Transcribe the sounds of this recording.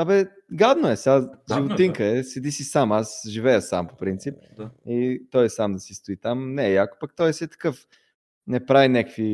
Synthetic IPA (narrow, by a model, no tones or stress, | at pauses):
abɛ | ɡad̪noɛsaʒivot̪iŋkəɛsɛd̪isisamasʒivɛjəsa̰mpo̥pɾint̪sip̚it̪ɔjɛsamd̪ɐsist̪ʊit̪amnɛjakpək̚t̪ɔjɛsiɛt̪ɐ̥kɤf | nɛpɾavinɛkəkfvi